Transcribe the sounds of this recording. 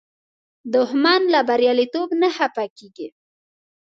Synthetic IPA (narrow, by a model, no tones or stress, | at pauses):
d̪ʊhmɑnlabaɾjɑlit̪obnahapakiɡi